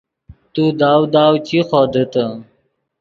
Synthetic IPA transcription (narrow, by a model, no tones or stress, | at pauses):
t̪ud̪aːwd̪aːwt͡ɕixoːd̪ət̪ə